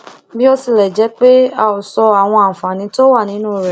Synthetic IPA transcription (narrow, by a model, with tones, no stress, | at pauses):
bi˦ɔ˧si˧˨lɛ˨d͡ʒɛ˨˦k͡pe˦a˧˨o˨sɔ˧a˨w̃ɔ̃˧a˨fã˨nĩ˨˧˦to˦wa˦˨nĩ˨˦nũː˦˨ɾɛ˨